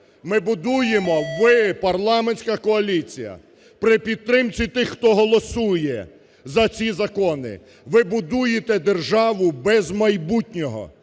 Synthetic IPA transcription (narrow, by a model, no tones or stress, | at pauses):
mɪbʊd̪ujemɔʋɪpɐrlˠɑmenʲsʲkɐkɔɐlʲit͡sʲijɐ̰ | pɾɪpʲid̪̚t̪ːɾɪmt͡sʲit̪ɪxːt̪ɔɦɔlˠɔsujɛ | zɐt͡sʲizɐkɔnɪ̰ | ʋɪbʊd̪ujet̪ɛd̪erʒɑʋʊbɛzmɐjbutʲnʲɔɦɔ̰